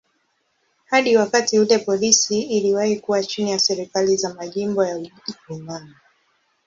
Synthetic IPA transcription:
haɗiwakatiutɛpɔlisiːliwahikuwat͡ʃinijasɛɾikalizamaʄimbɔjaumani

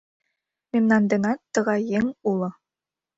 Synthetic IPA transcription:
mʲemnɑnd̪enɑt̪ːɤ̆ʁɑjeŋulˠɤ̆

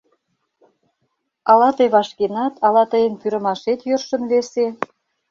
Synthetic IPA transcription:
ɑlɑt̪əjβɑʃkenɑt̪ɑlɑt̪əjə̆npyɾə̆mɑʃet̪jørʃə̆nβese

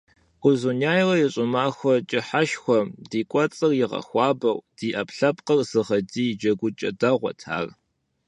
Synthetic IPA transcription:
qʷʊzunaːjrɐjɛɕʼʊmaːxʷɔt͡ʃʼɪħaʃxʷɔdiːkʷʼɔt͡sʼɨrjɪʁɐ̰xʷɑːbɐwd̥iːʔɐpʰɬɐpqɐrz̥ɨʁɐdiːjd͡ʒɐɡʷʊt͡ʃʼɐdɐʁʷɔ̰tʰa̰ːr

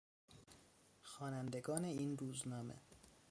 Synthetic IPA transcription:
xɒːnænd̪e̞ɡɒːne̞iːnruːznɒːmḛ

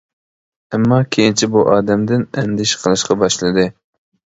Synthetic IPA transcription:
ɛmːɑkʲʰejint͡ʃʰibuʔɑːd̪ɛmd̪ɪnɛ̰nd̪ɪʃqʰəlˠɨʃqɑbɑʃlˠɨd̪ɨ

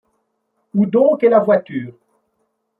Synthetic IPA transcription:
ud̪ɔ̃kelavwat̪yːʁ

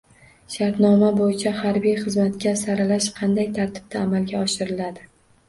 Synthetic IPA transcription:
ʃaɾt̪nɒmabojɪt͡ʃʰahaɾbijχɨzmat̪kʲasaɾalaʃqʰɑnd̪ajt̪ʰaɾt̪ʰɪ̥b̥̚t̪ʰaːmalɡʲaɒʃɪɾɪlad̪ɪ

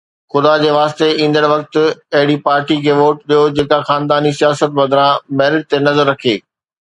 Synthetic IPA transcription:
xʊd̪ad͡ʑeːʋaːst̪eĩːn̆d̪əɽʋɐk̚t̪ʊ̆ɐɦɪɽipaːɾʈikʰeːʋoːʈɗijod͡ʑeːkaxaːnd̪aːnisijaːsət̪̚bɐd̪ʱɾãmɛːɾɪʈ̚t̪enɐzəɾːɐkʰeː

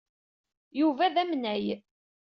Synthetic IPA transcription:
juvæðæmnæj

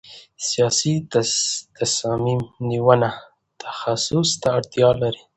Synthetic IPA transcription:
sijɑsi | t̪asɑmimniwəna | t̪ʰḁxasʊst̪aaɽt̪jɑlaɾi

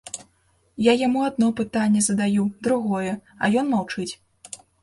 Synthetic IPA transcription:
jajamuad̪̚nɔpɨt̪anʲːɛzɐd̪ajud̪ɾuɣɔjɛ | ɐ̰jɔnmawt͡ʂɨt͡sʲ

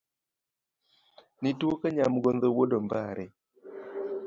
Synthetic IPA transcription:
nitwokaɲamɡond̪owodombaɾɛ

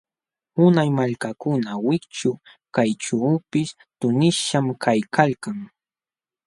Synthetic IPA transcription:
ʊnajmaʎkakʊnawɪkt͡ʃʊ | kajʈ͡ʂawpɪs | t̪ʊnɪʃamkajkʰalkaŋ

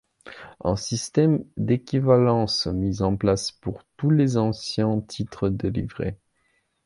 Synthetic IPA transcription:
ɛ̰̃sist̪ɛmd̪ekʲivalɑ̃smizɑ̃plaspuʁt̪ulezɑ̃sjɛ̃t̪ʰit̪χəd̪əlivʁḛ

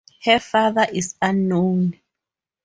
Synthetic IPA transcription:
hɛfaðaʔisanːõn

